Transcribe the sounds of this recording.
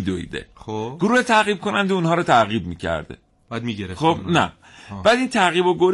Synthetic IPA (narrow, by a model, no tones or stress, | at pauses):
id̪oḭd̪ḛoɡ̥oɾuːhet̪ʰæɣiːb̚kʰo̞nænd̪eunɦɒːɾot̪ʰæɣiːb̚miːcʰæ̰ɾd̪̥ḛ | bad̪miɡeɾexob̥næ̰ | b̥æːd̪iːnt̪ʰæɣiːboɡoɾ